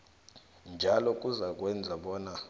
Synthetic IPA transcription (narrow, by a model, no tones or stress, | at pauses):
nd͡ʒʱalɔk̬ʼuzak̬wɛnd͡zʱaɓɔːna